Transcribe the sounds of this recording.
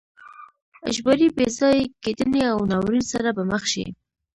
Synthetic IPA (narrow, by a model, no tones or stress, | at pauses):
a̰ʒbaɾibezɑjked̪əneawnawɾinsaɾabaməxʃḭ